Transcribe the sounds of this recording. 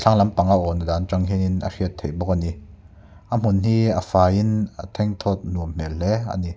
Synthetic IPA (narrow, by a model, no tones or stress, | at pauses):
t͡ɬʰaŋlɐmpaŋaʔɔnadaːnt͡ʃaŋɦɛninɐ̰riət̪ʰːejbɔk̚ani | ʔəm̥unɦiːəfaːinət̪ʰɛŋt̪ʰɔt̪̚nuəmm̥ɛllɛa̰ni